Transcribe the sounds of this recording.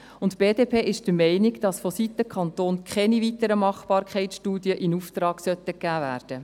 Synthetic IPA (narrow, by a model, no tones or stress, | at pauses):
ʊntb̥eːdeːpʰeːʔɪʃd̥əmɛɪniɡd̥ɑsfɔsit̪ːəkʰɑnt̪oːnkχɛnivit̪əɾəmɑχb̥ɑːɾkʰχɛɪt͡sʃtuːdiəʔinuft̪ɾɑːɡsœtːəkːæːvæːɾd̥ə